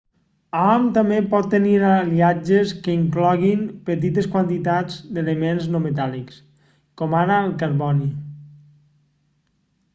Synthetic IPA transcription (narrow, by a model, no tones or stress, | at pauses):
ɔmt̪amepɔt̪ːəniɾaliad͡ʒəskəiŋklɔɣ̞inpət̪it̪əskwant̪it̪ad͡zd̪eləmenznomet̪aliks | kɔmaɾəːlˠkəɾβɔni